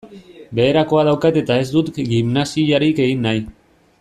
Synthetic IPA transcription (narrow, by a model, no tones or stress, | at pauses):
be̞ːɾako̞að̞awkat̪e̞t̪ae̞zd̪ut̪ɡimnasiaɾike̞ɣinːaj